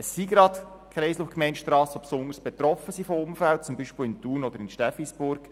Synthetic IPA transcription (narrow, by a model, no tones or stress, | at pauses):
əsːiɡɾɑt̪ | kʰɛɪslufkmɛɪntʃtɾɑːsopsʊŋəɾsb̥et̪ɾɔfəsifoʊmfælt̚t͡sʊmbiʃpɪlɪnt̪uːɾnɔd̪əɾɪnʃtɛfisbʊɾk